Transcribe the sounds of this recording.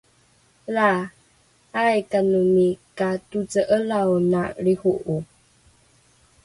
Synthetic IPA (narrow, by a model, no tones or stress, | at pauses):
la | ajkanumikatud͡zəʔəlawnaɾihuʔu